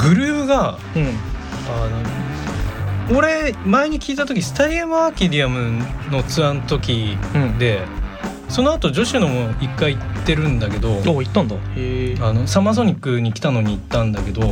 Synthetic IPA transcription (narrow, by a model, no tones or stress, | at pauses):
ɡɯ̟ɾɯ̟ːɯɡa | ano̞ | oɾe̞maeɲ̟ikʲiːt̪at̪o̞kʲisɨ̥t̪aɾʲiamɯaːkʲid̪ʲiamɯ̟no̞t͡sɨãnot̪o̞kʲid̪e̞ | so̞no̞at̪o̞d͡ʑo̞ɕɨno̞moʔikːaiːt̪ːe̞ɾɯ̟̃nd̪ake̞d̪o̞oit̪ːãnd̪aano̞samazo̞ɲ̟ikːɯ̟ɲ̟ikʲi̥t̪ano̞ɲ̟iːt̪ːãnd̪ake̞d̪o̞